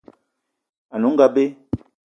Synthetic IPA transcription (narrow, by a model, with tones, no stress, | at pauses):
a˨nu˨˦ŋ̩˦ɡa˦be˦